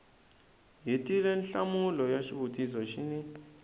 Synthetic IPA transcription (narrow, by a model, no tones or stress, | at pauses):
ɦitʼilɛnɬamulɔjaʃiβutʼisɔʃini